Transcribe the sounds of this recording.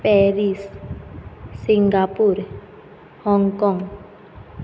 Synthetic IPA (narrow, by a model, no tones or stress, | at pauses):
pɛɾis | iŋɡapuɾ | hɔŋkɔŋ